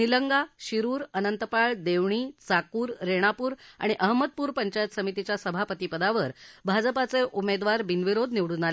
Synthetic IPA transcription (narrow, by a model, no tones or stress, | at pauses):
niləŋɡaɕiɾuːɾənənt̪əpaɭd̪eʋɳ̃iːt͡sakuːɾːeɽ̃apuːɾa̰ɽ̃iʔəɦməd̪̚puːɾpəɲt͡ɕajət̪səmit̪it͡ɕjasəbʱapət̪iːpəd̪aʋəɾbʱad͡zəpat͡seʔumed̪ʋaɾbinʋiɾod̪ʱniʋɽuːnale